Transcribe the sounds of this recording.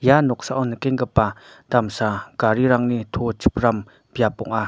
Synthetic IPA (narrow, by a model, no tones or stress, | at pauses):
janɔk̚saʔɔnːəkeŋɡəpːa | d̪amsakaɾiɾaŋnit̪ʰot͡ʃʰəp̚ram | b̥japɔ̰ŋʔa